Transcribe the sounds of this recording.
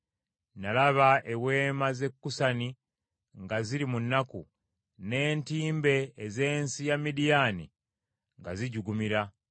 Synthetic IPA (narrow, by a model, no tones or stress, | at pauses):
nalaβaʔewe̞ːmaze̞kːusani | ŋɡaziɾimunːaku | ne̞ːntiːmbe̞ːze̞ːnsijamidijanḭ | ŋɡaziɟuɡumiɾa